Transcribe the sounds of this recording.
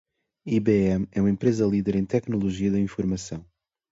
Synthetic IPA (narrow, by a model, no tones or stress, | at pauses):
iβeɛmɛumɐẽmpɾezɐlˠiðɛɾẽj̃t̪ɛknulˠuʒiɐðɐĩfuɾmɐsɐ̃w̃